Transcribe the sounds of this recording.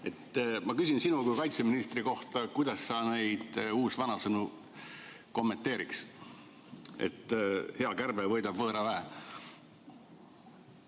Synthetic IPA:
e̞t̪ːmɑkysinsinukujkɑjt̪seminist̪riko̞ht̪ɑkujd̪̥ɑsːɑne̞jd̪̥uːsvɑnɑsɤnu | ko̞mːe̞nt̪ːˑeːɾiks | ḛt̪ːhe̞ɑkærbelvɤjd̪ɑb̥vɤːɾɑvæɦe

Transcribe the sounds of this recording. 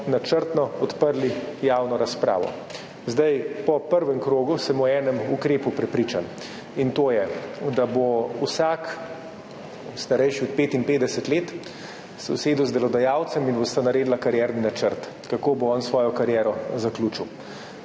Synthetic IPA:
nat͡ʃəɾt̪nɔɔt̪pəɾlijaːwnɔɾaspɾa̰ːʋɔ̰ | zd̪ajpɔpəɾʋɛmkɾoːɡusɛmɔɛːnɛmukɾeːpupɾɛpɾiːt͡ʃan | int̪oːjɛd̪abousak | st̪aɾɛjʃiɔt̪̚peːt̪inpeːd̪ɛsɛt̪leːt̪ | sɛwseːd̪uwzd̪ɛlɔd̪ajaːwt̪sɛminbost̪anaɾeːd̪lakaɾjɛɾninat͡ʃəɾt̪ | kakoːboɔnsʋɔːjɔkaɾjɛːɾɔzaklʲuːt͡ʃiw

